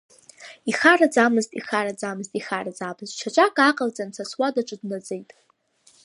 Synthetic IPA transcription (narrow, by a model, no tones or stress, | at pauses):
iχarad͡zamɨztʼiχaɾad͡zamɨztʼiχarad͡zabɨzʼt͡ʃʰaʈ͡ʂʷʼakʼaqʼald͡zʼansʰaswadaʈ͡ʂʼɨdnad͡zejtʼ